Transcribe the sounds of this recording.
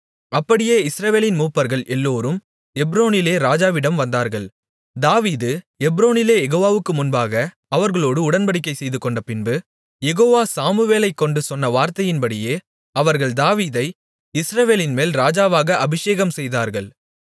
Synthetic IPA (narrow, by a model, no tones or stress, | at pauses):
ɐpːɐɽɪjeːɪsɾɐʋeːlɪnmuːpːɐɾɣɐɭʔɛlːoːɾɯm | ɛbɾoːnɪleːɾaːd͡ʒaːʋɪɽɐmʋɐnd̪aːɾɣɐɭ | d̪aːʋiːðɯ | ɛbɾoːnɪleːjɛɣoːʋaːʋɯkːɯmʊnbaːɣɐ | ɐʋɐɾɣɐɭoːɽɯʊɽɐnbɐɽɪkːɐɪsɛjðɯkːɔɳɖɐpɪnbɯ | jɛɣoːʋaːsaːmɯʋeːlɐɪkːɔɳɖɯsɔnːɐʋaːɾt̪ɐjɪnpɐɽɪjeː | ɐʋɐɾɣɐɭd̪aːʋiːðɐɪ | ɪsɾɐʋeːlɪnmeːlɾaːd͡ʒaːʋaːɣɐʔɐbɪʂeːɣɐmsɛjðaːɾɣɐɭ